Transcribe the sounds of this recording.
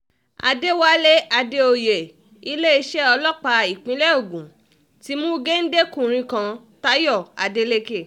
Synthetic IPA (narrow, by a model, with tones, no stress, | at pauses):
a̰˧de˦wa˦le˦a˧de˦o˧je˨ | i˧˦le˦i˧ʃɛ˦ɔ˧lɔ˦k͡pa˧i˨k͡pĩ˨˦lɛ˦o˦˨ɡũ˨˦ | ti˦mũ˦ɡe˦n̩˦de˦kũ˦˨ɾ̃ĩ˧kã˧ | ta˦jɔ˦˨a˨de˧le˦ke˦˨